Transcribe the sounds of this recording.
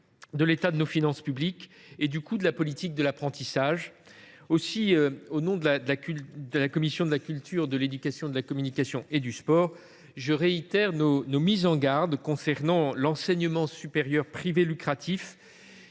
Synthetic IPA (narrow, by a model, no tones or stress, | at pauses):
d̪əlet̪ad̪ənofinɑ̃spyblik | ed̪ykud̪əlapɔlit̪ik̚d̪əlapχɑ̃t̪isaʒ | osiøonɔ̃d̪əlad̪əlakyd̪əlakɔmisjɔ̃d̪əlakʲylt̪ʰyʁd̪əled̪ykasjɔ̃d̪əlakɔmynikasjɔ̃ʔed̪yspɔːʁ | ʒəʁeit̪ɛʁnonomizɑ̃ɡaʁd̪kɔ̃sɛʁnɑ̃lɑ̃sɛɲəmɑ̃sypeʁjœʁpχivelykχat̪ʰif